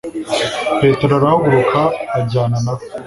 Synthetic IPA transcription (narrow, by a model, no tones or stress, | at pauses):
peːt̪eɾɐɾaːwʊɾokʰaːd͡ʒaːnɐnɐ